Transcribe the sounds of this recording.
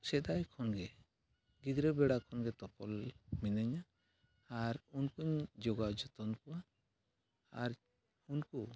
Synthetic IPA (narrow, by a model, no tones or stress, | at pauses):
sɛd̪ajkʰɔnɡɛ | ɡid̪ɾɛbɛɽakʰɔnɡɛt̪ɔpɔlminaɲaː | ɾunkuɲd͡ʒɔɡad͡ʒɔt̪ɔnkɔwa | ɾ | unku